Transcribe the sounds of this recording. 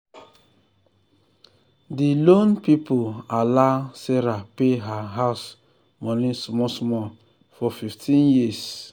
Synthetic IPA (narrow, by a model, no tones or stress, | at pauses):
dilonpipolalaseɾapeɦaɦaʊs | mɔnĩsmɔsɔmɔ | fɔfiftʰĩnjis